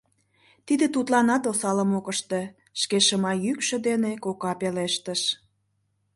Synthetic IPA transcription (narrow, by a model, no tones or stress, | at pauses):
t̪id̪et̪ut̪lɑnɑt̪osɑləmokəʃt̪e | ʃkeʃəmɑjykʃə̆d̪enekokɑpeleʃt̪əʃ